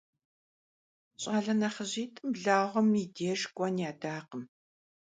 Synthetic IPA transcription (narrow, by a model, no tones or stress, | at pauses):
ɕʼaːɮɐnɐχəʑiːtʼɨmɮaːʁʷɔmiːdeːʒɡʷʼɐnjaːdaːqəm